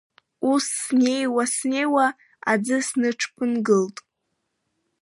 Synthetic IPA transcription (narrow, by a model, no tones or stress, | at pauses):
usːne̞jwasne̞jwa | a̰d͡zɨsnɨʈ͡ʂʰpʰɨnɡɨltʼ